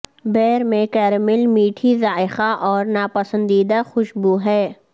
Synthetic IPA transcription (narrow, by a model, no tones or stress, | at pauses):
bɛːɾmẽkɛːɾmɪlmiːʈʰizaːɪxaʔɔːɾnaːpəsə̃nd̪iːd̪axʊʃbuɦɛː